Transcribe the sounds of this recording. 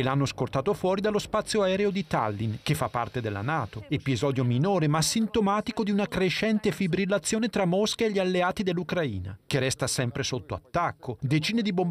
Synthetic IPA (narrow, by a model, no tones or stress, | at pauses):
elanːoskort̪aːt̪ofwɔːɾid̪alːospat̪sːjoaɛːɾeod̪it̪a̰lːink̟efːapːa̰rt̪ed̪elːa̰naːt̪oepizɔːd̪jominoːɾemasːint̪omaːt̪ikod̪iunakɾeʃɛnt̪efibɾilːat̪sːjoːnet̪ɾamːoskaeʎːialːeaːt̪id̪elːukɾaḭːna̰k̟erɛst̪asɛmpɾesot̪ːoa̰t̪ːakʰːod̪et͡ʃiːned̪ibom